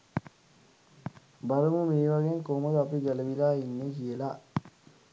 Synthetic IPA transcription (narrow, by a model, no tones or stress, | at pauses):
bɐɾumumeːʋaɡeŋkoːmɐlapiɡɛlɐʋilaːinːekiela